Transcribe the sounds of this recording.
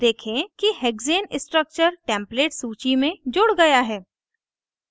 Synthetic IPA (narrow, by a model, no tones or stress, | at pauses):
d̪eːkʰẽkiɦɛːɡzeːnɪsʈɾək̚t͡ʃəɾʈɛ̃ːmpleːʈsuːt͡ʃimẽd͡ʒoːɽɡɐjaɦɛː